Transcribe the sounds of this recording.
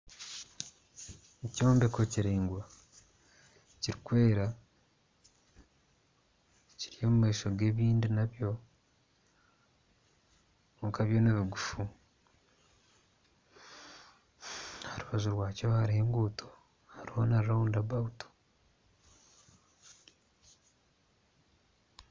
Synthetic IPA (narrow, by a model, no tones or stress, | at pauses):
eco̞ːmbekociɾeːŋɡwa | ciɾikwe̞ːɾa | ciɾijo̞mumaiʃo̞ɡe̞ːβiːndinaβjo̞ | ŋkaβjo̞neβiɡufu | haɾuβazuɾwaːcohaɾiheːŋɡuːtʰo | haɾiho̞naɾiɾauːndaβauto̥